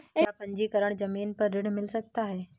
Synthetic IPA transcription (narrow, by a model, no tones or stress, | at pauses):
japə̃ɲd͡ʑiːkəɾəɳ̃d͡zəmiːnpəɾːɪɽ̤mɪlsəɡ̚t̪aːɦeː